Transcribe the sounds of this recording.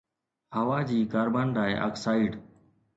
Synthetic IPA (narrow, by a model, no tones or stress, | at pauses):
həʋaːd͡ʑiːkaːɾbaːnlaːɪʔa̰ːksaːɪɖ